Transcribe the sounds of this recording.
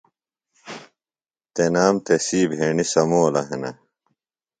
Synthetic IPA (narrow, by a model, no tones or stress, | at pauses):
t̪enaːmt̪esiːbʱeːɳisɐmoːlɐɦenɐ̰